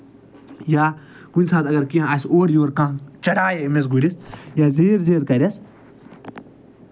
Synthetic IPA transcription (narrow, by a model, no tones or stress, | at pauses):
jaː | kunʲsaːt̪ɐɡɐɾkiãɐsoːɾjoːɾkãːt͡ʃɐɽaːjɐimes̬ɡuɾʲisjaːzeːɾzeːɾkɐɾʲɐs